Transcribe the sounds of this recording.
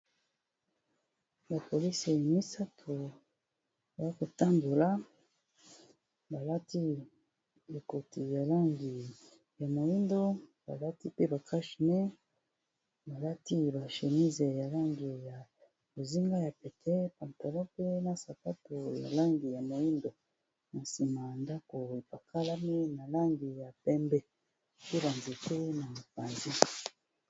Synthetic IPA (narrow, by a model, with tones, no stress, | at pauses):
ba˨po˨li˦se˨a˨mi˦sa˦tʰo˨ | ba˨˦ko˨ta˦ndo˨la˦ | ba˨la˦ti˦ | e˨ko˨ti˨ja˨la˦ŋɡi˨ | ja˨mo˨ji˦ndo˦ba̰˨la˦ti˦pe˦ba˨kʰa˦ʃi˨ne˦ | ba˨la˦ti˦ba˨ʃe˨ni˦ze˨ja˨la˦ŋɡi˨ja˨ | o˨zi˦ŋɡa˦ja˨pɛ˨kʰɛ˦pa˨nta˨lɔ̃˦pe˦na˨sa˨pa˦to˨ja̰˨la˦ŋɡi˨ja˨mo˨ji˦ndo˨ | na˨si˨ma˨nda˦ko˨e˨pa˨kʰa˦la˦mi˦na˨la˦ŋɡi˨ja˨pɛ˦mbɛ˦ | pe˦ba˨nze˨te˦na˨mo˨pa˨nzi˦